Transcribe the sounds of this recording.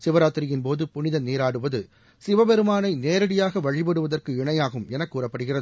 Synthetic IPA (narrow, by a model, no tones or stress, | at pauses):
sɪʋɐɾaːt̪ːɪɾɪjɪnpoːðɯpʊnɪðɐniːɾaːɽɯʋɐðɯ | sɪʋɐbɛɾɯmaːnɐɪneːɾɐɽɪjaːɣɐʋɐɻɪbɐɽɯʋɐðɐrkɯɪɳɐjaːɣɯmɛnɐkːuːrɐpːɐɽɯɣɪrɐðɯ